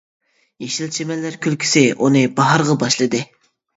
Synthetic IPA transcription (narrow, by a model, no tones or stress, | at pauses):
jeʃilt͡ʃʰemɛlːæɾkʲʰylkʲʰi̥sɪʔunɨbɑɦɑɾʁɑbɑʃlˠɨd̪ɨ